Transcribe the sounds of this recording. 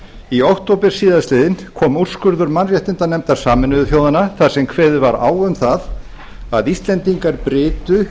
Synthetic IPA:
iɔwht̪owpɪɾ̥siːðast̪lɪːðɪnkʰɔːmur̥skʏɾðʏɾmanrjɛht̪ɪnt̪anɛmt̪ḁsaːmɪnʏðʏθjoːwðanaθḁsɛmkʰvɛːðʏvaɾa̰ːwʏmθað | aðist̪lɛnt̪iŋkaɾpɾɪːt̪ʏ

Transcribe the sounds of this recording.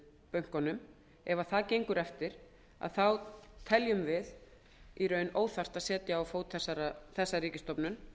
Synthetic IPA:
pœɥŋ̥kɔnːʏm | ɛvaθaðcejŋkʏɾɛft̪ɪɾ̥ | a̰ðθawt̪ʰɛljʏmvɪð | iɾœːɥnoːwθar̥t̪aðsɛːt̪jaːwfoːwt̪ʰɛsaɾaθɛsːariːcɪst̪ɔpnʏm

